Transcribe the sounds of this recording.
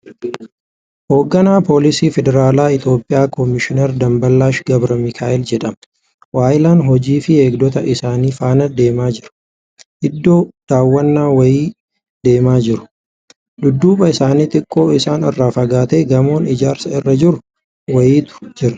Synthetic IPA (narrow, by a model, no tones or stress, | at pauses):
ho̞ːɡːɐnaːpo̞ːlɪsiːfɛd̪ɛɾaːlaːɪt̪jo̞ːpʼːɪjaːkɔmɪʃɪnɛɾd̪ɐmbɐlːaːʃɡɐbɾɐmɪkʰaːʔɪld͡ʒɛᶑɐmɐ̥ | waːʔɪlaːnɦɔd͡ʒiːfɪe̞ːɡd̪ɔt̪ɐʔɪsaːniːfaːnɐd̪e̞ːmaːd͡ʒɪɾɐ̥ | ʔɪd̪ːo̞ːd̪̥aːwːɐnːaːwɐjiː | d̪̥e̞ːmaːd͡ʒɪɾʊ̥ | d̪ʊd̪ːuːbɐɪsaːniːt̪ʼɪkʼːo̞ːɪsaːnɪrːaːfɐɡaːt̪eːɡɐmo̞ːnɪd͡ʒaːɾsɐɪrːɐd͡ʒɪɾʊ | wɐjiːt̪ʊ̥d͡ʒɪɾɐ̥